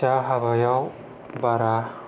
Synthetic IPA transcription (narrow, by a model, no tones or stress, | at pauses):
aɦabajaw | baɾa